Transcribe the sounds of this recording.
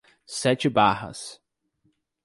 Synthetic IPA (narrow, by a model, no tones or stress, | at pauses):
sɛt͡ʃɪbahɐ̰s